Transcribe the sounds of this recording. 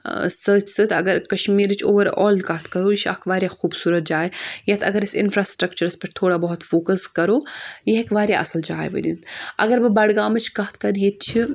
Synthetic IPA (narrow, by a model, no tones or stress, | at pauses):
səːt̪ʲsɨt̪ɐ̰ɡɐɾkɐʃmiːɾɨt͡ʃʰo̰ːʋɐɾɔ̰ːlkɐɦt̪ʰkɐɾoːjiʃa̰kʰʋaːɾjaːxuːbsuːɾɐt̪̚d͡ʒaːjjɐt̪ʰɐɡɐɾɪsɪ̰nfɾaːsʈɾɐkt͡ʃɐɾɐspɐɾt̪ʰoːɽaːbɐɦut̪foːkəskɐɾoːjeɦekʋaːɾʲjaʔɐ̰sɐld͡ʒaːj̰ʋɐ̰d̪ḭnt̪ʰɐ̰ɡɐɾbɨbɐɽɡaːmɐt͡ʃʰkɐɦt̪̚ʰkɐɾjet̪̚t͡ʃʰi